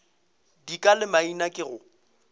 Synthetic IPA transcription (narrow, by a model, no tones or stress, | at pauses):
dikʼalɪmainakʼɪɣʊ